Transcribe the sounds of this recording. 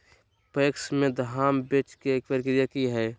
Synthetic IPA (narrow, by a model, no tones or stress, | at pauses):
peksmẽd̪ɦaːmbet͡ʃkeeːk̚pəɾɪkɾijakiɦɛː